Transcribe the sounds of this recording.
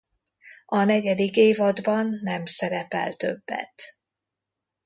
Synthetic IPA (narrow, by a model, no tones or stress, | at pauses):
ɒnɛɟɛd̪ikeːvɒd̪bɒnːɛmsɛɾɛpɛ̰lt̪ø̞bːɛ̰t̪